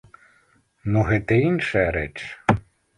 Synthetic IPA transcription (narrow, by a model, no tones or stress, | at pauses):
nuɦɛt̪ɛinʃɐjɐɾɛt͡ʃ